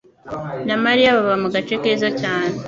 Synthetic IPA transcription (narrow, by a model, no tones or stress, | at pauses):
namaɾijaβaβamuɡat͡ʃekeːzacaːne